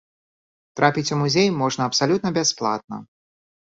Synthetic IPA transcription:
t̪ɾapʲit͡sʲumuzʲejmɔʐnɐɐpsalʲut̪nɐbʲasplˠa̰t̪̚nɐ̰

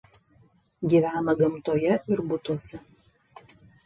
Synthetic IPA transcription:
ɡʲiːʋʲæːnɐɡɐmt̪oːjɛɪɾbʊt̪uɔsʲɛ

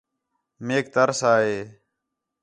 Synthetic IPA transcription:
meːk̚t̪əɾsaːɦeː

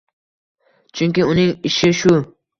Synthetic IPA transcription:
t͡ʃʰyŋʲkʲiʊnɪŋɪʃɪʃʊ

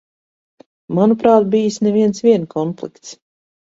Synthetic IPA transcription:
manupɾaːt̪̚bijisnɛviɛnsvʲiɛnkʰɔnplˠḭkt̪s

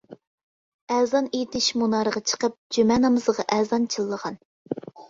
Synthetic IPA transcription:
æːzɑnet̪ɪʃmunɑɾəʁɑt͡ʃʰə̥qəp̚d͡ʒymɛnɑmɨzʁɑʔɛzɑnt͡ʃʰilˠːəʁɑn

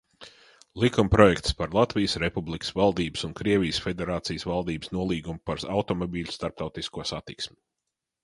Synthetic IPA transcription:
lˠikumpɾɔjɛkt̪spaɾlˠat̪vijəsɾepublˠikə̥svalˠd̪iːbə̥sunkɾiɛvʲijsfʲed̪eɾaːt̪sijsvalˠd̪iːbsnuɔlˠiːɡumpaɾawt̪ɔmɔbʲiːlʲst̪aɾp̚t̪awt̪iskuɔsat̪iksmʲi

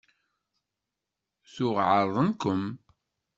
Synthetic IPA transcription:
θʊʁʕəɾˤðˤənkʊm

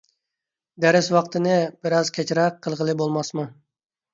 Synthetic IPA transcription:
d̪æɾɪswɑqt̪ʰɨnɪbɪɾɑzkʲʰɛt͡ʃɾɑqʰːəlˠʁəlˠɨbolˠmɑsmu

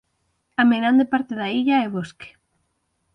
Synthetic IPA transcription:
amenand̪ɪpaɾt̪ɪðaiʎaeβosk

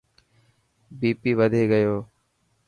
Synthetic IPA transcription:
biːpiːʋəd̪ʱeːɡəjoː

